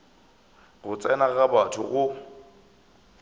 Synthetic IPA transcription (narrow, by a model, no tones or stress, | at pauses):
ɣʊt͡sʼɛnaɣabatʰʊɣʊ